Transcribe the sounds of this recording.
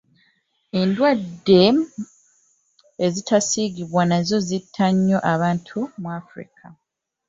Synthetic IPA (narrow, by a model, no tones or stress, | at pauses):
endwadːe̞ | ezitasiːɡiβwanazo̞zitʰːaɲːo̞ʔaβaːntʰumwafɾḭkʰa